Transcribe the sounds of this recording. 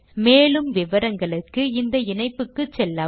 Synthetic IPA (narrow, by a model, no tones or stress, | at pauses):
meːlɯmʋɪʋɐɾɐŋɡɐɭɯkːɯɪnd̪ɐɪɳɐɪpːɯkːɯt͡ʃːɛlːaː